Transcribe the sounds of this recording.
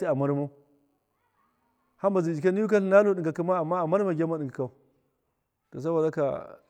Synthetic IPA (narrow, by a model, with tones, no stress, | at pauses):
i˦a˨ma˦ɾmo˦ | ha˦m˦ba˨zi˨d͡ʒi˨ke˦ni˦ju˦ka˦ɬi˦˨na˦lo˦ɗi˨ŋɡa˨ki˦ma˦a˨mːa˦a˨ma˦ɾma˨ɡʲa˦ma˦ɗi˨ka˨ka˨ | to˨s̬a˦bo˨da˦ka̰˨